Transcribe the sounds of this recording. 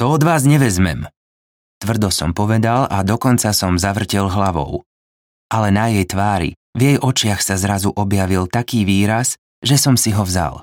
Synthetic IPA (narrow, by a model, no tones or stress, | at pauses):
t̪ɔɔd̪ʋaːzɲɛʋɛzmɛ̰m | t̪ʋr̩d̪ɔsɔmpɔʋɛd̪alad̪ɔkɔnt͡sasɔmzaʋr̩cɛlɦlaʋɔ̰ʊ | ʔalɛnajɛjt̪ʋaːɾḭ | vjɛjʔɔt͡ʃɪaxsazɾazuʔɔbjaʋilt̪akiːʋiːɾas | ʒɛsɔmsiɦɔvza̰l